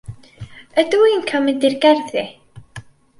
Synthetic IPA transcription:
əduinkʰamɛdɪrɡɛrðɪ

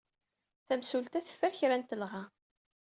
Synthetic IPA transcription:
θæmsult̪æθə̥fːæɾçɾænt̪əlʁɑ

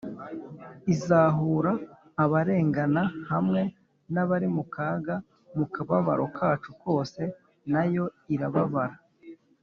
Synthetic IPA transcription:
izaːɦuːɾaː | βaɾe̞ːŋɡanahamŋe̞ | naβaɾimukaːɡa | mukaβaβa̰ɾo̞kʰaːt͡ʃuko̞ːse̞ | najo̞iɾaβaβaɾa

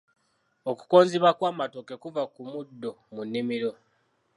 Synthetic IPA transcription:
oku̥ko̞ːnziβakwaːmato̞ke̞kuvakumudːo̞munːimiɾo̞

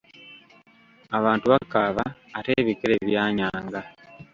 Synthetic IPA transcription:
aβaːntuβakaβaːte̞ːβikeɾeβjaːɲaːŋɡa

